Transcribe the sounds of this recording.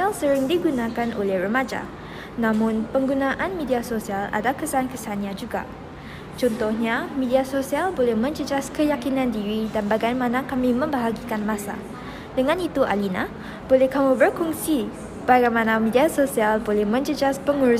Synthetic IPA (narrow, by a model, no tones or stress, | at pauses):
alsəɾɪŋdiɡunãkanʔo̰lɛhrəmad͡ʒa̰ | nãmʊ̃npəŋɡunãʔanmediasosiala̰dakəsankəsanɲãd͡ʒuɡa̰ | t͡ʃɔnt̪ɔhɲamediasosialbolɛhmə̃ɲd͡ʒəd͡ʒaskəjakinãndiɾidanbaɡajmãnakamĩmə̃mbəɦaɡikanmãsa̰ | dəŋãnit̪uʔa̰lina̰ | bolɛhkamũbərkuŋsi | b̥aɡajmãnamediasosialbolɛhmə̃ɲd͡ʒəd͡ʒaspəŋuɾu